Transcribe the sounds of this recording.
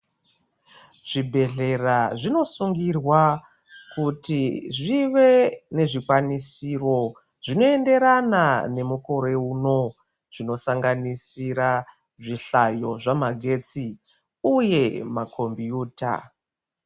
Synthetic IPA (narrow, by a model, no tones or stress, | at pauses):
ʐ̥ibʱe̞ɮe̞raʐino̞suŋɡirwa | kutiʐiʋe̞ne̞ʐikwanisiro̞ | ʐino̞e̞nde̞ɾanane̞muko̞ɾe̞uno̞ | ʐino̞saŋɡanisiɾa | ʐiɬajo̞ʐamaɡʱe̞t͡si | uje̞makʰo̞mbjuːta̰